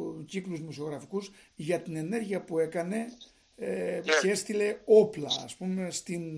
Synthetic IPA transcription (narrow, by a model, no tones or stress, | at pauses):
cikluzmoso̞ɣɾɐfikuz | ʝɐt̪ine̞ne̞ɾʝiɐpue̞kɐne̞ | ce̞st̪ile̞o̞plɐ̰ːspume̞st̪in